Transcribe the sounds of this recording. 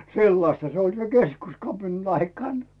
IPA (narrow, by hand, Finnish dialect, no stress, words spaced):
selːɑstɑ se olʲ se keskuskɑpinɑn ɑikɑˑn